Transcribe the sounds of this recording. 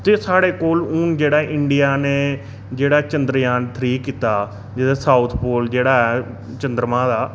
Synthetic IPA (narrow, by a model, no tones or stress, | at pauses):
t̪eːsaːɽeːkoːlʊːnd͡ʒeːɽaːʔɪɳɖijaːneː | d͡ʒeːɽaːt͡ʃənd̪ɾjaːnt̪ʰɾiːkːiːt̪aː | d͡ʒeːd̪aːsaːut̪ʰpoːld͡ʒeːɽaːɛː | t͡ʃənd̪ɾmãːd̪aː